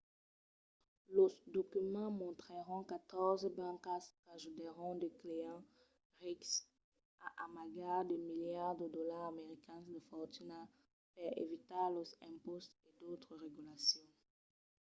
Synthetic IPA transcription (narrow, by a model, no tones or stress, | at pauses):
ləd̪okymɑ̃mɔ̃t̪χəʁɔ̃kat̪ɔʁzbãkaskaʒud̪eʁɔ̃d̪əkleɑ̃ | ʁiks | aʔamaɡaʁd̪əmiljaʁd̪əd̪ɔlaʁameʁikɛ̃sd̪əfɔʁt̪yna | fɛʁḛvit̪aʁlɔzɛ̃pɔst̪ed̪ot̪χəʁeɡylasjɔ̃